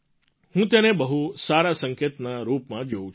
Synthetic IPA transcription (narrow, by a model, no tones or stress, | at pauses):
hũt̪janebəɦusaɾasəŋket̪naɾupmãd͡ʒoũ